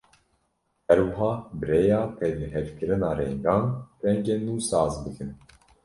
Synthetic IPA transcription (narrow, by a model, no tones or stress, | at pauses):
hɛɾwɨɦɑːbɨɾejɑːt̪ʰɛd̪ɨɦɛvkɨɾɨnɑːɾɛŋɡɑːnrɛŋɡenuːsɑːzbɨkʰɨn